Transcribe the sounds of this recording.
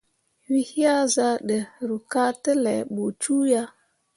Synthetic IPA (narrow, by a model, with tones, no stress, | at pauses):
wi˦hi˦ja˦za˦ɗə˨ɾu˨ka˦tə˦le˨ɓo˨t͡ʃu˦ja˦